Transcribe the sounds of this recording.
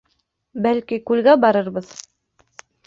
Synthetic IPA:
bælkikʉlɡæbɑɾɤɾbɤð

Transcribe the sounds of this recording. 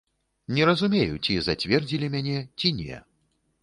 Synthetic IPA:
nʲɛɾɐzumʲejut͡sʲizat͡sʲvʲɛrd͡zʲilʲimʲanʲɛt͡sʲinʲɛ̰

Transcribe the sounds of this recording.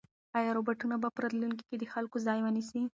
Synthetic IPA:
ɑjɑɾobaʈunabapəɾat̪lunk̬i̥ked̪əxalkozɑjwənisi

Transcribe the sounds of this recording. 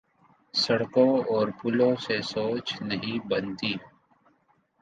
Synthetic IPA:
sɐɽkõɔːɾpʊlõsesoːt͡ʃnɐɦĩbɐnt̪iː

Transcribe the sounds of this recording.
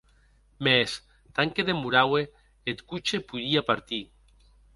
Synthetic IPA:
mes | t̪aŋkeðemuɾawe | et̪kut͡ʃepuðiapaɾt̪i

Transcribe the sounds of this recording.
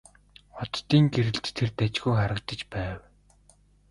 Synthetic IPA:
ɔt̪ːiːŋɡeɾɘ̆ɮt͡ɕt̪ʰːert̪æt͡ɕɡujχaɾə̆kt̪ə̆t͡ɕpæːw

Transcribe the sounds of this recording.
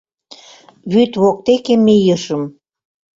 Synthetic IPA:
βyt̪βok̚t̪ekemːijəʃəm

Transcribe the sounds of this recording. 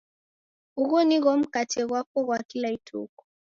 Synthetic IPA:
uɣɔniɣɔm̩katɛɣwakɔɣwakilaitʰṵkɔ̥

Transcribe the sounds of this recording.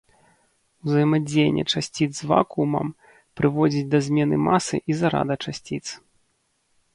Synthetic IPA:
uzɐjɛmad͡zʲejnʲːɛ̰t͡ʂasʲt͡sʲid̪zzva̰kumɐ̰m | pɾɨvɔd͡zʲid͡zʲd̪ɐzʲmʲɛn̪ɨmasɨ̰ʔizaɾa̰d̪ɐt͡ʂasʲt͡sʲit̪s

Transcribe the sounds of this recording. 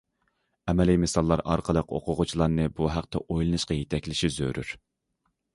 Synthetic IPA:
ɛmɛlɪjmɪsɑlˠːɑɾɑ̰ɾqʰəlˠəqo̰qʰʊʁʊt͡ʃʰilˠɑɾnɨbuɦæq̚t̪ʰɛ̰ʔojlˠɨnɨʃqɑjet̪ʰɛkʲlɪʃizø̰ɾy̰ɾ

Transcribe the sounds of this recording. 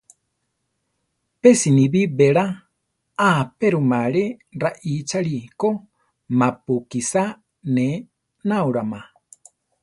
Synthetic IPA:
pɛsiniβibɛɺa | apɛɾumaɺɛɾaʔit͡ʃaɺiko | mapukisa | nɛ | nauɺama

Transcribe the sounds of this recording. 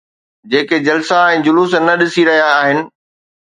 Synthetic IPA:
d͡ʑeːked͡ʑɐlsaɛ̃ːd͡ʑʊlusnɐɗɪsiɾɐɦijaːɦɪnɪ̆

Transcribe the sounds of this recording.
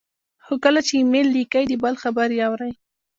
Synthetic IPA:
xokəlat͡ʃemelːikajd̪əbalxabaɾjawɾaj

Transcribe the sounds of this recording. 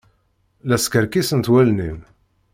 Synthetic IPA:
læskəɾkisənt̪wælnim

